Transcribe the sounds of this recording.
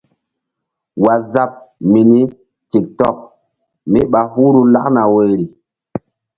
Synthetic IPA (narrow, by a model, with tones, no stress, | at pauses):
wa˨za˦p̚mi˨ni˦ | ti˨k̚tɔ˦˨k̚ | mi˦ɓa˨hu˦ɾu˦la˦kna˨we˨jɾi˨